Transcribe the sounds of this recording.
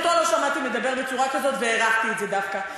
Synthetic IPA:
t̪ualo̞ʃamat̪ime̞d̪abe̞ʁbet͡suʁakazo̞t̪veeʁaχt̪ietze̞d̪afka

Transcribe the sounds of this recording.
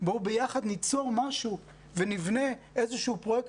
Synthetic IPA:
bobejaχad̪nit͡so̞ʁmaʃu | venivne̞ʔezeʃiupʁo̞jek

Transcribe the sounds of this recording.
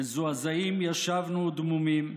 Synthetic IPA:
zuazaimjaʃavnud̪mumim

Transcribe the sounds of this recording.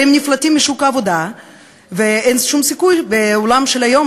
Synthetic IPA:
emniflat̪imbiʃukaːvod̪a | veenʃumsikujbeolamʃelajo̞m

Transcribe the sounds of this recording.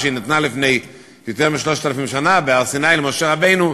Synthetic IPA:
ʃɪnɪtnalɪfneɪ | dɪtɛʁmɪʃlɔʃtɛləfɪmʃanabɪalsɪnaɪlɪmoʃɛʁabeɪnu

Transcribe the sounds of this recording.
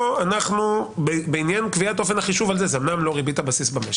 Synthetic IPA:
anaχnubbeinjankviat̪o̞fe̞nhaχiʃuvalzezemnamlo̞ʁibitabasisbameʃ

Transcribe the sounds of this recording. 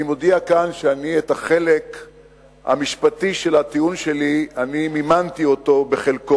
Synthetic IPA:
imo̞diakanʃeanietaχe̞le̞k | ha̰miʃpatiʃe̞lat̪iunʃe̞lianimimant̪io̞to̞beχe̞lko

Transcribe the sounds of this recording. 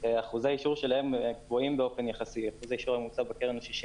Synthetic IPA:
eaχuzeaiʃuʁʃelahe̞mkvoimbeo̞fe̞njaχasiaχuzeaiʃuʁamut͡sabekeʁenoʃiʃi

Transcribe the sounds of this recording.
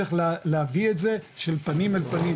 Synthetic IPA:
eχlleavietze̞ʃelpanimalpani

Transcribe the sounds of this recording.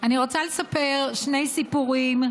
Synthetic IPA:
aniʁo̞t͡sale̞sape̞ʁʃne̞jsipuʁim

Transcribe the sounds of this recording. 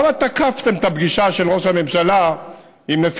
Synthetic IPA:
mat̪akaft̪e̞mt̪abɡiʃaʃe̞lʁo̞ʃhamemʃala | imnef

